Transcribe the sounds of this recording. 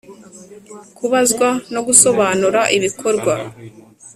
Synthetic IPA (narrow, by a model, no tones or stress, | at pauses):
kuβazɡwano̞ɡuso̞βaːnuɾaʔiβikʰo̞ɾɡwa